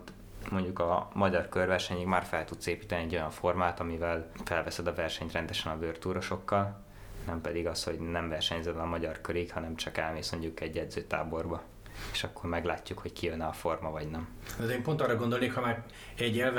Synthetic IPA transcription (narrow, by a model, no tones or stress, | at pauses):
t̪ | mo̞ɲɟukɒmɒɟɒrkørvɛrʃɛɲikmaːrfɛlt̪ut̪seːpiːt̪ɛniɛɟːo̞jɒɱfo̞rmaːt̪ɒmivɛlfɛlvɛsɛd̪ɒvɛrʃɛɲt̪rɛnd̪ɛʃɛnɒvørt̪uːɾo̞ʃo̞kːɒl | nɛmpɛd̪iɡɒsho̞ɟnɛɱvɛrʃɛɲzɛd̪ɛɒmɒɟɒrkøɾikhɒnɛmt͡ʃɒkɛlmeːsmo̞ɲɟukɛɟːɛd̪zøːt̪a̰ːbo̞rbɒ | eːʃɒkːo̞rmɛɡlaːcːukho̞ckijønːɛɒfo̞rmɒvɒɟnɛm | ɛd̪eːmpo̞nt̪ɒrːɒɡond̪olneːkhɒmaːɾ | ɛɟɛlv